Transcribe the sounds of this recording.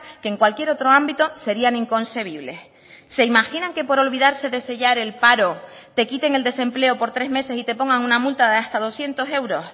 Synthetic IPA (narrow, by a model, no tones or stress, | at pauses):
keŋkwalkje̞ɾo̞t̪ɾo̞ambit̪o̞se̞ɾianiŋko̞nse̞β̞iβle̞s | se̞imaxinãŋke̞po̞ɾo̞lβiðaɾse̞ðe̞se̞ʎaɾe̞lpaɾo̞ | t̪e̞kit̪e̞ŋe̞ld̪e̞se̞mple̞o̞po̞ɾt̪ɾe̞zme̞se̞sit̪e̞po̞ŋɡaŋunamult̪aðeast̪að̞o̞sje̞nt̪o̞se̞wɾo̞s